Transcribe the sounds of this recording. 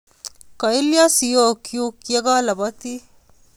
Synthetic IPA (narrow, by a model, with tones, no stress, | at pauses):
ka˨i˦lja˦si˨jo˦kju˦kje˦ɡa˦lɐ˨bɐ˦t̪i˦